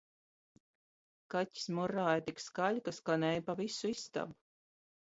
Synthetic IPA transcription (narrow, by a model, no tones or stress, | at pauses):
kacʲi̥smuɾːaːjat̪ikskaʎʲkaskanɛjpavisuist̪a̰b